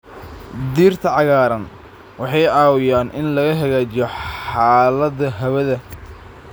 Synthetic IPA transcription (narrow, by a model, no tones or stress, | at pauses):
d̪iːrt̪ʰɐʕɑɣaːɾɐn | wɑħɑjʕɑːwɪjaːnʔɪnlɐɣɐɦɐɣaːt͡ʃɪjɔħɑːlɐd̪ɐɦɐwɐðɐ